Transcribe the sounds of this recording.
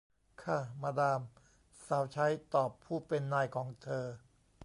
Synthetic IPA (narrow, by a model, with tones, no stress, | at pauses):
kʰa˥˩maː˧daː˧m | saː˩˦wt͡ɕʰa˦˥jt̪ɔː˨˩pʰːuː˥˩pe˧nːaː˧˩jkʰɔː˩˦ŋt̪ʰɤː˧